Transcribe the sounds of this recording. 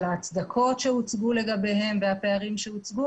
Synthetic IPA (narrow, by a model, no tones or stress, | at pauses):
laːt͡sd̪akʰo̞tʃeut͡sɡuleɡabe̞jɦe̞mvehape̞aʁimʃeut͡sɡu